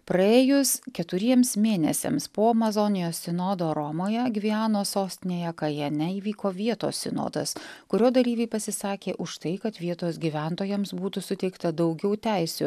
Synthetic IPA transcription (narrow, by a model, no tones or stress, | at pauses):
pɾɐeːjʊskʲɛt̪ʊɾʲiɛmsmʲeːnʲɛsʲɛ̰mspoːɐmɐzɔnʲɪjoːsʲsʲɪnɔːd̪oːɾɔmoːjɛɡʲʋʲiæːnoːsoːsʲt̪ʲɪnʲeːjɛkɐjɛnʲɛiːʋʲiːkoːʋʲiɛt̪o̰ːsʲsʲɪno̰ːd̪ɐ̰skʊɾʲoːd̪ɐlʲiːʋʲɛɪpɐsʲɪsɑːkʲeːʔʊʃt̪ɐɪkɐt̪ʋʲiɛt̪oːsɡʲiːʋʲæˑnt̪oːjɛmsbuːt̪ʊsʊt̪ʲɛɪkt̪ɐd̪ɒʊɡʲɛʊt̪ʲæˑɪsʲṵː